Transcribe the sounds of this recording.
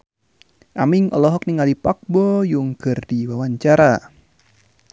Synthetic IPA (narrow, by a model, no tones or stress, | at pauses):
ʔamɪŋɔ̰lɔɦɔk̚niŋalipak̚bɔjuŋkɨrdiwawaɲt͡ʃaɾa